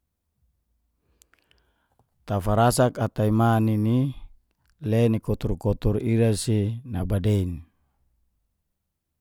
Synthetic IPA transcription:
t̪afaɾasakat̪aimanini | lɛnikɔt̪urkɔt̪uɾiɾasinabadein

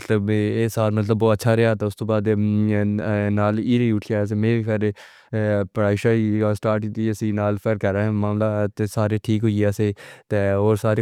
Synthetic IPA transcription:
t̪ləbesaːlmɐt̪ləbːoːətːʃʰaɾɛɦaːt̪aʊst̪oːbaːd̪ | naːliːɾeʊʈʰaːs̬emẽːbiːpəɾ | pəɽaːɪʃaiasʈaːɾʈit̪iesinaːlpʰəɾkəɾaɛ̃ːmaːmlat̪esaːɾeʈʰiːkɦoiaset̪eoːɾsaːɾeː

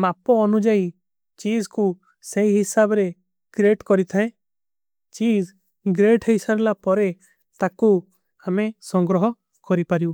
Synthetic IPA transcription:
mapɔɔnud͡ʒai | t͡ʃid͡ʒku | seiɦisabɾe | ɡ̥ɾeʈkɔɾit̪ʰaẽ | t͡ʃid͡ʒ | ɡɾeʈisaɾlapɔɾe | t̪aku | amesɔ̃ŋɡɾɔɦɔ | kɔɾipaɾju

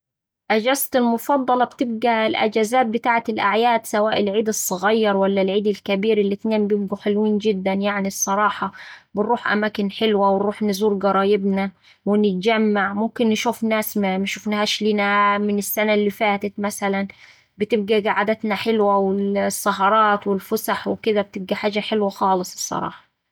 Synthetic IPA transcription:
ʔad͡ʒæːzt̪ɪlmʊfɑd̪ˤːɑlɑbt̪ɪb̚ɡælʔa̰d͡ʒæːzaːt̪̚bɪt̪aːʕat̪ɪlʔaʕjaːd̪sawaːʔɪlʕiːd̪ɨsˤːɑɣɑjːɑɾˤwalːælʕiːd̪ɪlkabiːɾɪlːɪt̪neːmbjɪb̚ɡuħelwiːnd͡ʒɪd̪ːænjaʕnisˤːɑɾˤɑːħɑbɪnɾuːħʔa̰maːkɪnħɪlwawɪnɾuːħnɪzuːɾɡɑɾˤɑːjɪbna | wɪnɪt̪̚d͡ʒamːaʕmʊmkɪnːɪʃuːfnæːsmamʃufnahæːʃliːnæmɪnɪsːænalːifaːt̪ɪt̪mæsalæn | bɪt̪ɪb̚ɡæɡaʕad̪at̪naħɪlwawɪlsˤːɑɦɑɾˤɑːt̪wɪlfʊsaħwɪkɪd̪æb̚t̪ɪb̚ɡæħaːd͡ʒaħɪlwaxɑːlɨsˤɨsˤːɑ̰ɾˤɑ̰ːħɑ̥

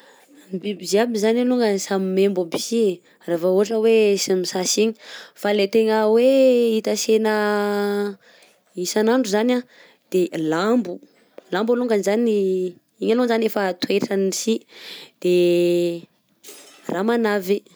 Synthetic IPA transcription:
bibiziabizaneluŋɡanisamimembubi̥si | ravauɦaʈ͡ʂəwesimisasiɲi̥falet̪eŋəweit̪asenə | isanaɳɖ͡ʐuzana | d̪̥elambu | lambaluŋɡanzani | iɲalonzanefət̪ueʈ͡ʂanisid̪̥e | ramanavi

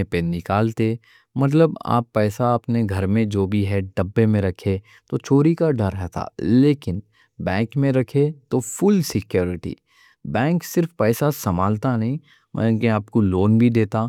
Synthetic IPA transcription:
penɪkaːlt̪e | mɐt̪̬ləba̰ːpːɛːsaɐpneɡʱɐɾmẽd͡ʒoːbʱiɦɛɖɐbːemẽɾɐkʰe | t̪ot͡ʃʰoːɾikaɖʱɐɾɦɛt̪ʰa̰ːleːkɪn | bɛ̃ːŋkmẽɾɐkʰet̪ofʊlsɪkjoːɾɪʈḭː | bɛ̃ːŋksɪɾfpɛːsasɐmaːlt̪anɐɦĩ | mʔɛ̰ːkeaːp̚koloːnbʱid̪eːt̪aː

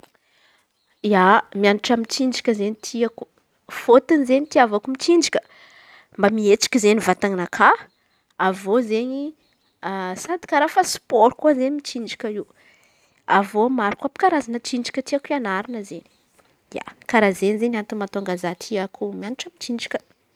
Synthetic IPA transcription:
iamianiʈ͡ʂamit͡ʃiɳd͡ʒikʲəzeɲit̪ʰiaku̥ | fot̪inizeɲit̪iavakumit͡ʃind͡ʒikʲə̥ | mbamiet͡si̥kʲizenivat̪aŋinakʰa | avozeɲi | asad̪i̥kaɾafasi̥poɾukuazeɲmit͡ʃiɳd͡ʒikʲəiu | avomaɾikuapi̥kaɾazanət͡ʃiɳd͡ʒi̥kʲət̪iakianaɾinəzeni̥ | ja̰kaɾazenizeɲant̪umant̪oaŋɡazat̪ʰiakumianiʈ͡ʂamit͡ʃiɳd͡ʒikʲə̥

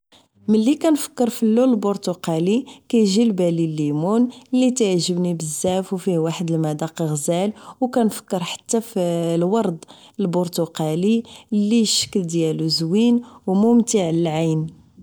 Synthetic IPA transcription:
mənlːikænfə̥kːəɾˤfilːuləlbʊɾt̪uqɑlikæjʒilbælilːimunəlːit̪ʕʒəbnibəzːæfwfiwaħəd̪əlmæd̪ɑqɣzælwkænfə̥kːəɾˤħḁt̪ːæflwɑɾˤd̪ˤ | əlbʊɾt̪uqɑlilːijʃə̥kːəld̪jæluzwinwmʊmt̪iʕləlʕajn

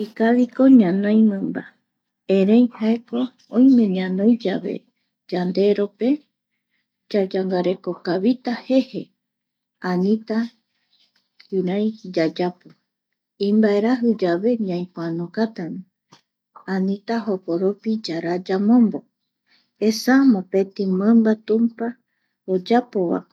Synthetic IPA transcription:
ikaβiko̞ɲãnõj̃mɨ̃mba | eɾẽj̃haeko̞ | õĩmẽ̞ɲãnõjd͡ʒaβḛ | d͡ʒand̪e̞ɾo̞pe̞ | d͡ʒad͡ʒaŋɡaɾe̞ko̞kaβit̪ahe̞he̞ | anĩt̪a | kɨɾãjd͡ʒad͡ʒapo | ĩmbaeɾaɦɨd͡ʒaβe̞ɲãj̃poanõkat̪anĩ | ãnĩt̪aɦopoɾopid͡ʒaɾad͡ʒamõ̞mbo̞ | esamõpe̞t̪ĩmɨ̃mbat̪ũmpa | od͡ʒapo̞βa̰

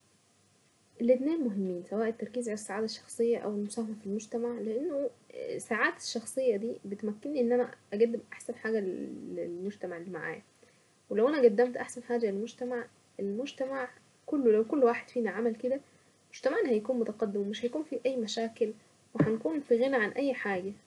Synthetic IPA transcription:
ʔelːet̪næːnmoɦemːiːnsæwæːʔet̪ːɑɾˤkiːzʕalæsːaʕaːd̪eʃːɑ̥xsˤejːɑʔæ̰welmosˤæːhamæfilmod͡ʒt̪æmaʕleʔenːosaːʕaːt̪e̥ʃːɑxsˤejːɑd̪iːbet̪mækːenːiʔenːænæʔæɡæd̪ːemʔaħsænħaːɡællḛlmoʒt̪æmaʕelːiːmaʕa̰ːjæ | welæwʔænæɡæd̪ːæmt̪ʔaħsænħaːɡælelmod͡ʒt̪æmaʕ | ʔelmod͡ʒt̪æmaʕ | kolːolæwkolːwaːħed̪̥fiːnæʕamælked̪æ | mod͡ʒ̥t̪æmaʕenhæjækuːnmot̪ɑqɑd̪ːemwmeʃhæjækuːnfiʔæjːmæʃæːkel | wehænkuːnfiɣenæʕanʔæjːħaːɡæ

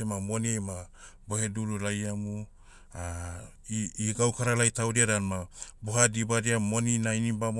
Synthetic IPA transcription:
emamo̞niema | boheduɾulajamu | a | iɡawkaɾalajtawdiaɾanmaboɦadibadiamo̞ninainibam

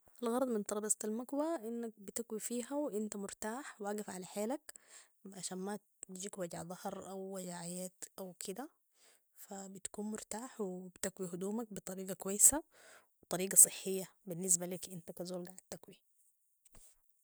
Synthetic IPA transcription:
ʔalɣɑɾˤɑd̪ˤmɪnt̪ˤɑɾˤɑbɑst̪almakwaʔinːak̚bɪt̪akwifiːɦawʔint̪amʊɾt̪aːħwʔaːɡɪfʕalaħeːlak | ʕaʃaːnma | d͡ʒiːkwaɟa̰ʕðˤɑhɾˤʔawːaɟaʕajeːt̪ʔawkʰid̪a | fabɪt̪ḁkuːnmʊɾt̪aːħwɪbt̪akwiɦud̪uːmak̚bɨt̪ˤɑɾiːɡakwajːsawɪt̪ˤɑɾiːɡɑsˤɨħːɪjːabinːɪs̬balikʔint̪akazoːlɡaʕad̪t̪akwi

